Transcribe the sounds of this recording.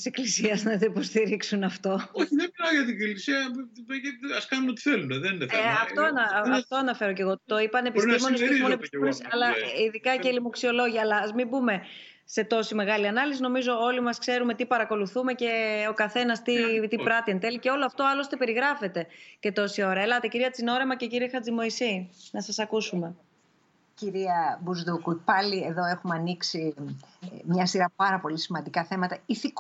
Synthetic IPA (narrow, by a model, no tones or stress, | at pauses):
ise̞klisiɐznɐit̪oipo̞st̪iɾiksunɐft̪o̞oçiðebilɐʝɐt̪iilisiɐeɐskɐnunot̪i̥θeluneðenefeɐft̪oɐnɐɐft̪o̞ɐnɐfe̞ɾo̞ce̞ɣo̞t̪o̞ipɐnepiizmonosmonepinesɐlɐiðikɐceilimoksio̞lo̞ʝiɐːlɐɐzmimbume̞ | se̞t̪o̞sime̞ɣɐliɐnɐlisino̞mizo̞o̞limɐskse̞ɾume̞t̪ipɐɾɐko̞luθume̞ce̞o̞kɐθe̞nɐst̪it̪ipɾɐt̪iɐnt̪e̞liceo̞loɐft̪oɐlost̪epe̞ɾiɣɾɐfe̞t̪e̞ce̞t̪o̞sio̞ɾɐelɐt̪e̞ciɾiɐt͡sino̞ɾe̞mɐce̞ciɾiexɐt͡sd͡zimo̞isinɐsɐsɐkusume̞ | ciɾiɐbuzðukupɐlieðo̞exumɐniksi | mɲɐsiɾɐpɐɾɐpo̞lisimɐnd̪ikɐθe̞mɐt̪ɐiθik